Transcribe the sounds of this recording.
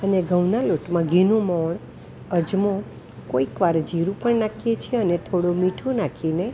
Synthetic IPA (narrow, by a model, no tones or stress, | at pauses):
əneɡʱəʋnaloʈmãɡʱinũmɔɳ | əd͡ʒmõ | koikʋaɾd͡ʒiɾũpəɳnakʰiet͡ʃʰeənet̪ʰoɽomiʈʰũnakʰine